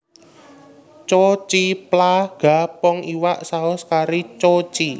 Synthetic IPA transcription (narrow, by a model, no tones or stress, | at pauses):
t͡ʃot͡ʃiplaɡ̥a̤pɔŋiwaʔsaʊskaɾit͡ʃot͡ʃi